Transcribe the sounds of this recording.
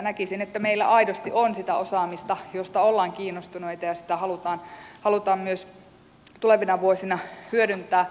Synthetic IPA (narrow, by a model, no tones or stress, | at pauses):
nækisinet̪ːæmeilːæ̰ʔɑidost̪iʔonsit̪æosɑːmist̪ɑjost̪ɑolːɑːŋkiːnːost̪uneit̪ɑjɑsi̥t̪æhɑlut̪ɑːnhɑlut̪ɑːmmyøs | t̪uleʋinɑʋuosinɑhyøɾynt̪ˑæː